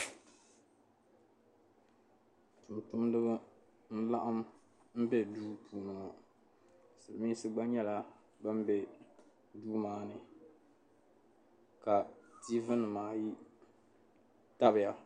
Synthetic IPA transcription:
tʊ˨mtʊ˦mdɨ˦bɨ˦ | n̩˦la˦ʔa˦m | m̩˦bɛ˦duː˦pʰuː˨nɨ˨o˨ | sɨ˨lɨ˨mi˦sɨ˦ɡ͡ba˦ɲɛ˦la˦ | bɨ˦m˦bɛ˦ | duː˦maː˦nɨ˨ | ka˨ti˦vɨ˦nɨ˨maː˨ji˦ | ta˦bɪ˨ja˦

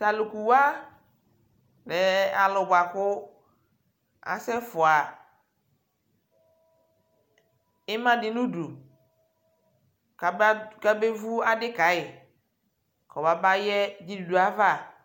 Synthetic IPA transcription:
sa˨lʊ˨ku˨wa˦ | lɛ˨a˨lʊ˨bʷa˨kʊ˦ | a̰˨sɛ˦fʊ˨a˨ | ɪ˦mã˦dɪ˨nũ˦du˨˦ | ka˦be˦vu˦a˦dɪ˦ka˨ɪ˨ | kʰɔ˨ba˨ba˦jɛ˦d͡ʒi˦du˨du˨a˨va˦˨

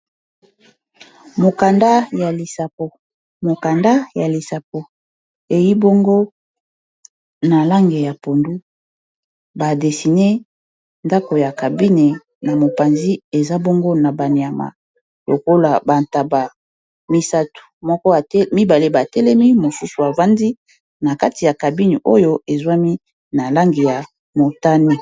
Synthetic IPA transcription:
mo˨ka˨nda˦ja˨li˨sa˨po˨ | mo˨ka˨nda˦ja˨li˨sa˨po˨ | e˨ji˦bo˦ŋɡo˦ | na˨la˦ŋɡe˨ja˨po˨ndu˦ | ba˨de˨si˨ne˦ | nda˦ko˨ja˨ka˨bi˦ne˨ | na˨mo˨pa˨nzi˦e˨za˦bɔ˦ŋɡo˦na˨ba˨ni˨a˨ma̰˨ | lo̰˨ko˦la˨ba˨nta˨ba˨ | mi˦sa˦tu̥˨mɔ˦kɔ˦˨˦mi˦ba˨le˦ba˨tɛ˦lɛ˦mi˦mo˨su˦su˨a˨va˦ndi˦ | na˨ka˦ti˨ja˨ka˨bi˦ni˨ʔo˦jo˦e˨zwa˦mi˦ | na˨la˦ŋɡe˨ja˨ | mo˨ta˦ni˦

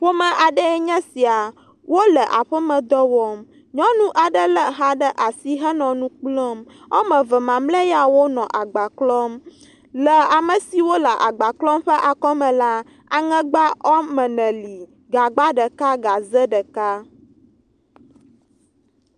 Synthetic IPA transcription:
ɸo˦mɛ̃˨ʔa˨ɖə˦ɛ˦ɲɛ̃˦si˨a˨ | wo˦lə˨ʔa˨ɸə˦mə̃˨d̪ɔ˦wɔ˦m | ɲɔ̃˦nũ˦ʔa˨ɖə˦lə˨ɦa˦ɖə˦ʔa˨si˦ɦə˦nɔ̃˨nũ˦k͡plɔ˦m | ɔ˦mɛ̃˨və˨mã˨mlə˦ja˦wo˦nɔ̃˨ʔa˨ɡ͡ba˨klɔ˦m | lə˨a˨mə̃˨si˨wo˦lə˨ʔa˨ɡ͡ba˨klɔ˦mɸə˦ʔa˨kɔ˦mɛ̃˨la˦ | a˨ŋɛ̃˦ɡ͡ba˦ʔɔ˦mɛ̃˨nɛ̃˨li˨ | ɡa˨ɡ͡ba˦ɖə˨ka˦ɡa˨zə˦ɖə˨ka˦

